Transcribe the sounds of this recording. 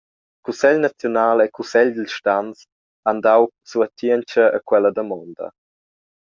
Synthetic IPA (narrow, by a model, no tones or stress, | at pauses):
kusɛʎnat͡sjɔnaːlekusɛʎd̪əlʃtans | andawsuət̪iənt͡ʃəə̰kwɛləd̪əmɔndɐ̰